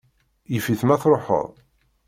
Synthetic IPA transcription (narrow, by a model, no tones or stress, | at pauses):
jəfiθmæθɾˤoħə̰ðˤ